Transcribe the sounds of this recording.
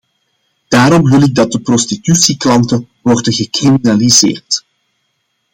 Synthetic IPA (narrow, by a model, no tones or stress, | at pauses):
d̥aːɾɔmʋɪlɪɡ̚dɑt̚dəprɔstitysiklɑntə | wɔrdəɣəkriminalizḛːrt